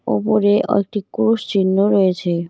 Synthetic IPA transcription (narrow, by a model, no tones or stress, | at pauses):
o̰poɾeʔɔ̰ek̚ʈikuɾuʃt͡ɕinːoɾɔjet͡ɕʰe